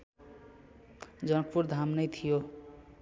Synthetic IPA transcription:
d͡zʌnʌk̚puɾd̪ʱamnʌjt̪ʰijo

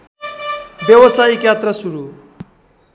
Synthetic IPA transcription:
bjewʌsaikjat̪ɾʌsuɾu

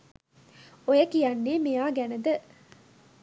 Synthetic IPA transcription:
ojɐkijɐnːiːmijaːɡæned̪ə

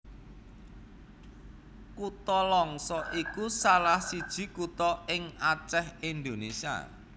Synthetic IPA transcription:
kut̪ɔlɔŋsɔʔikusalahsid̥ʒ̥i̤kut̪ɔɪŋat͡ʃɛhind̪onesia̰

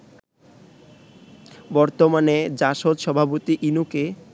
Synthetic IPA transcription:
bɔɾt̪omaned͡ʑaʃot̪ʃɔbʱapot̪iʔinuke

